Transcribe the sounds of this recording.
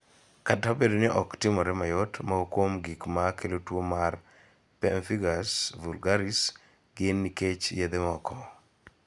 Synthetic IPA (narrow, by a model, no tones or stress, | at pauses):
katabedonɪʔɔktɪmɔɾɛmajɔtmaokwomɡikmakʰelotwomar | pɛnfiɡasvulɡaɾis | ɡɪnːiket͡ʃjed̪emɔkʰɔ